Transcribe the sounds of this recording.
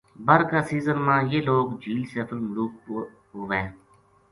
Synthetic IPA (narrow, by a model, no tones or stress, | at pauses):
bəɾkaːsiːzənmãːjeːloːɡd͡ʒʱiːlsɛːpʰəlmʊluːk̚ː | ɦoʋẽː